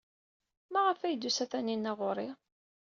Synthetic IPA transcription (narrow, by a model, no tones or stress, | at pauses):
mæʁəfæjd̪usæθæninːæʁʊɾˤɪ